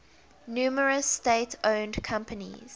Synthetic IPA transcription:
njuːməɹəsteɪtʰõʊ̃ndkʰãmpənḭz̥

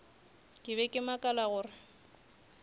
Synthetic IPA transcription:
kʼɪbɛkʼɪmakʼalaɣʊːrɪ

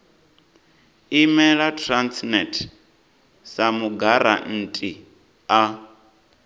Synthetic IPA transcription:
imɛɺatʰransnɛtʰ | samuɡaɾa̰n̩tʼi | a

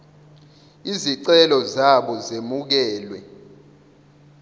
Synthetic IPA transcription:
iziǀɛlɔzaɓɔzemuk̬ɛːlwɛ

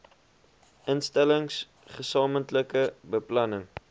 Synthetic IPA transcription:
ʔənstæləŋs | χəsɑːməntləkəbəplɐnəŋ

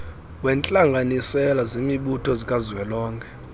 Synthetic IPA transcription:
wɛnt͡ɬʼaŋɡʱanisɛlazimiɓutʰʼɔzikʼaziwɛlɔːŋkʰʼɛ̥

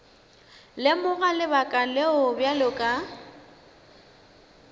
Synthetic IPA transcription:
lɪmʊɣalɪbakʼaleʊbjalʊkʼa

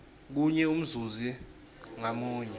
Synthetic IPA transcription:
k̬uɲɛum̩zuzi | ŋamuːɲɛ

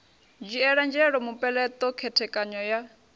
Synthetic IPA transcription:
d͡ʒiɛɺand͡ʒɛɺɔmupɛlɛt̪ɔkʰɛtʰɛkʼaɲɔja

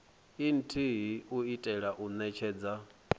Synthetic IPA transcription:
in̩tʰiɦiuitʼɛɺaʔunɛt͡ʃʰɛːd͡za

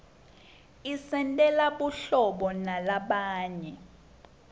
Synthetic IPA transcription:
isɛntʼɛlaɓuɬɔɓɔnalaɓaːɲɛ

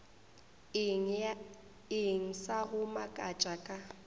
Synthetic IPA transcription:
ɪŋ̩saɣʊmakʼat͡ʃʼakʼa

